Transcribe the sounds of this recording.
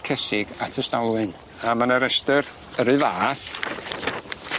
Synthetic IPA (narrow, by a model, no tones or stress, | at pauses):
kʰɛsɪɡatʰəstawlˠɨn | amanəɾɛstər | əɾɨvaːθ